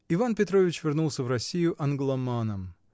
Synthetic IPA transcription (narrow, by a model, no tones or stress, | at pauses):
ɪvanpʲɪt̪ɾo̞vʲɪt͡ɕvʲɪrnulˠsʲəvrɐsʲijʊʔɐnɡlˠɐmanəm